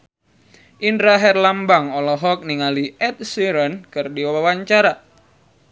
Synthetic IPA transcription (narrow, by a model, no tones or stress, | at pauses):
ʔinɾaɦɛrlambaŋɔlɔɦɔk̚niŋaliɛt̪̚siɾənkɨrdiwawawaɲt͡ʃaɾa